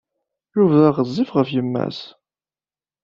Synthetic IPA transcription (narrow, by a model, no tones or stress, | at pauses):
juvðaʁəzˤːifʁəfjəmːæ̰s